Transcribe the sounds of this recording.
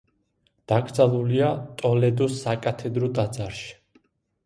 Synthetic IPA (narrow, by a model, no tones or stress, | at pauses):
d̪̥aɡɾd̪zalˠuliat̪ʼɔlɛd̪usːakʼat̪ʰɛd̪ɾɔt̪ʼad̪zaɾʃi̥